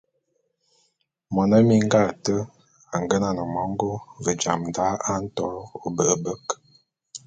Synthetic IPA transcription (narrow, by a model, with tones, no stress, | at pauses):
mɔ˨nə˦mi˦ŋ˦ɡa˦˨tə˦ | a˨ŋ˨ɡə˦na˨nə˨mɔ˦ŋ˦ɡo˦və˨d͡ʒa˨mn˨da˨˦a˦n̩˦tɔ˨˦o˨bə˨ʔə˨bə˦k